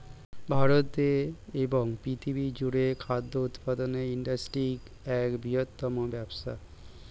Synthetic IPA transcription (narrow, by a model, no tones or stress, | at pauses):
bʱaɾot̪eeboŋpɾit̪ʰibid͡ʑuɽekʰad̪ʱːout̪pad̪oneiɳɖasʈɾik | ɛkbiɦot̪ːɔmobɛbʃa̰